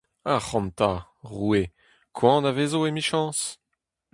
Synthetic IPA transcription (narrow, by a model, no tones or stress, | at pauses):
aχɑ̃mt̪a | ʁue | kʰwɑ̃ːnavezoemiʃɑ̃s